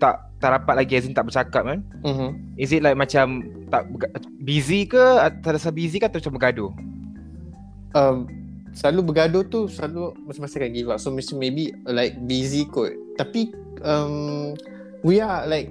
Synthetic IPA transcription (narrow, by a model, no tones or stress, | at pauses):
t̪aʔ | t̪aʔɾapat̪̚laɡiɛzint̪aʔbət͡ʃakat̚mãn | m̩mm̩ | izit̚lajk̚mat͡ʃam | t̪aʔbɡa | bizikəsadasabizikaat̪amat͡ʃambəɡado | əm | səlalubəɡadot̪usəlalumat͡ʃamasakanɡivaʔsomesanmebilaɪk̚bizikɔtt̪api | əm | wialajk̚